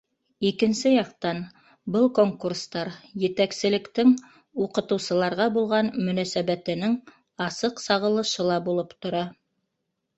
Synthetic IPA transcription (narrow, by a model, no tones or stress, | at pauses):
ikɘ̆nsɘjɑqt̪ɑn | bɤlˠkoŋkurst̪ɑɾjɘ̆t̪æksɘ̆lɘ̆kt̪ɘŋ | uqɤ̆t̪ɤ̆wsɤ̆lˠɑɾʁɑbulˠʁɑnmɵ̆næsæβæt̪ɘ̆nɘŋ | ɑsɤqsɑʁɤ̆lˠɤ̆ʃɤlˠɑbulˠɤpt̪ŏɾɑ